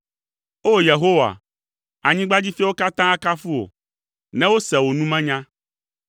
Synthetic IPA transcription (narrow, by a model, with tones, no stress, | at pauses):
o˦je˨ɦo˦wa̰˨ | a˨ɲĩ˦ɡ͡ba˦d͡ʑi˦fi˦wo˦ka˦t̪ã˦a˦ka˦fu˦o̰˨ | nɛ̃˦wo˦sɛ˨wo˨nũ˦mɛ̃˦ɲã˦